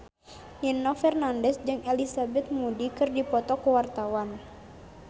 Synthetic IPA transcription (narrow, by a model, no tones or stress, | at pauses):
ninːɔfɛrnandɛsd͡ʒɨŋɛlisabɛt̪̚mudikɨrdipɔt̪ɔkuwart̪awan